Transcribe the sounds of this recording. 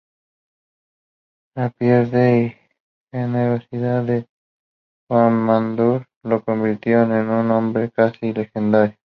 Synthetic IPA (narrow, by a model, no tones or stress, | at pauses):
napjeɾðei | eneɣosiðaðe | xwamːand̪uɾ | lokombiɾt̪jonenunːõmbɾekasile̞xend̪aɾjo